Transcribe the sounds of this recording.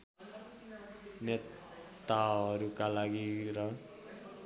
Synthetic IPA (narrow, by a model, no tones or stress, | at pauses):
ne | t̪aʌɾukalaɡiɾʌ